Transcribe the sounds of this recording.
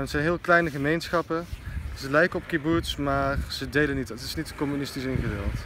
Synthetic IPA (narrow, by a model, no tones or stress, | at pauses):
ətsɛjnɦɪːlˠklɛjnəχəmejnsχɑpəzəlɛjkəɔp̚kibutsmaːrz̥ədejlənittɪsnitkɔmynɪstisɪnχədɪlˠt